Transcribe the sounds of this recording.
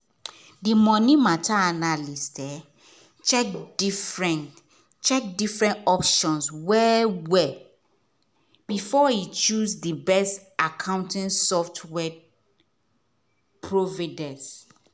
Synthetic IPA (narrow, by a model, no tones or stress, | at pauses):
dimɔ̃nĩmatʰaanalistɛ | t͡ʃɛkdifɹɛ̃n | t͡ʃɛk̚difɹɛ̃ntɔpʃɔ̃nswɛwɛ | b̥ifɔit͡ʃuzdibɛstakʰãʊ̃ntĩnsɔftʰwɛ | pʰɹovadɛ̃ns